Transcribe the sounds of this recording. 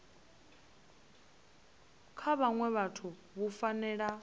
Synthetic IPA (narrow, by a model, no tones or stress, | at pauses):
kʰaβaŋwɛβatʰu | βufanɛɺa